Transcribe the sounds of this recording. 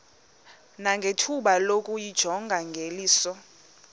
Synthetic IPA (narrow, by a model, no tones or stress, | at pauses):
naŋɡʱetʰuɓalokʼujid̥ʒ̥ʱɔŋɡʱaŋɡʱeliːsɔ